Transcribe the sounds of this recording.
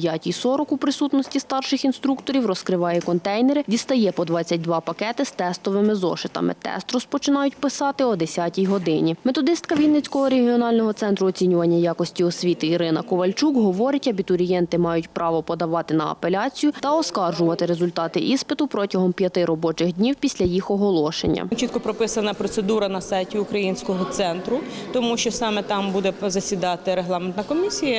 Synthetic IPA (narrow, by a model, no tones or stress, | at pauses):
pjatʲijsɔɾɔkupɾɪsut̪nɔsʲtʲist̪ɑrʃɪxinst̪ɾukt̪ɔɾʲiwrɔskɾɪʋɑjɛkɔnt̪ɛjnɛɾɪdʲist̪ɐjɛpɔd̪ʋɑt͡sʲːɐt̚ʲd̪ʋɑpɐkɛt̪ɪst̪ɛst̪ɔʋɪmɪzɔ̰ʃɪt̪ɐ̰mɪ̰t̪ɛ̰st̪rɔspɔt͡ʃɪnɑjʊtʲpɪsɑt̪ɪɔd̪esʲatʲijɦɔd̪ɪnʲimet̪ɔd̪ɪst̪kɐʋʲijnɪt͡sʲkɔɦɔɾeɦʲiɔnɑlʲnɔɦɔsɛnt̪ɾʊɔt͡sʲinʲʊʋɐnʲːɐjɑkɔsʲtʲiɔsʲʋʲit̪ɪiɾɪnɐkɔʋɐlʲt͡ʃukɦɔʋɔɾɪtʲɐbʲit̪ʊɾʲijɛnt̪ɪmɑjʊtʲpɾʔɑʋɔpɔd̪ɐʋɑt̪ɪnɐɐ̰pelʲɑt͡sʲijʊt̪ɐɔskɑrʒʊʋɐt̪ɪɾezʊlʲt̪ɑt̪ɪʔispɪt̪ʊpɾɔtʲɐɦɔmpʲjɐt̪ɪɾɔbɔt͡ʃɪxdʲnʲiwpʲisʲlʲɐjixɔɦɔlˠɔʃḛnʲːɐ̰t͡ʃit̪kɔpɾɔpɪsɐnɐpɾɔt̪sed̪uɾɐnɐsɑjtʲiukɾɐjinʲsʲkɔɦɔt̪sɛnt̪ɾʊt̪ɔmuʃt͡ʃɔsɑmɛt̪ɑmbud̪ɛzɐsʲid̪ɑt̪ɪɾeɦlˠɑment̪nɐkɔmʲisʲijɐ